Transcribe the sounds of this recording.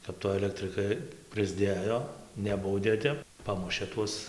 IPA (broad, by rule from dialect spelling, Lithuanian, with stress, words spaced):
kɐp ˈtoː ɐlʲɛktʲrʲɪˈkɐɪ prɨzʲˈdʲeːjoː ˈnʲæːbɐʊdʲeː ˈtʲɛp ˈpɑːmʊʃʲeː ˈtuɔs